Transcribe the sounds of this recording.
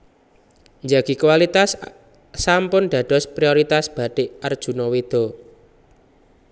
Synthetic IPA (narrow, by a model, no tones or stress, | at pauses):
ɲd͡ʒaɡ̥ikuwalit̪asː | ampʊnɖ̪̥ä̤d̪̥ɔ̤spɾioɾit̪asb̥a̤ɖ̥eard̥ʒ̥ṳnɔwid̪̥ɔ̤